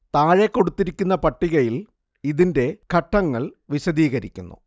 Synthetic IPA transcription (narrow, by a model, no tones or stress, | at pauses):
t̪aːɻekːo̞ɽut̪ːiɾikʲːunːɐpɐʈːiɣɐjil | iðinde̞kʰɐʈːɐŋːɐɭʋiɕɐðiːɣɐɾḭkʲːunːṵ